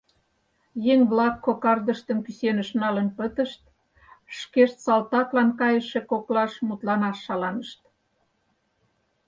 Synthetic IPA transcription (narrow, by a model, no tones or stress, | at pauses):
jeŋβlɑkːokɑrd̪əʃt̪əmkysenəʃnɑlənpət̪əʃt̪̚ | ʃkeʃt̪sɑlt̪ɑt̪lɑnkɑjəʃekoklɑʃmut̪lɑnɑʃːɑlɑnəʃt̪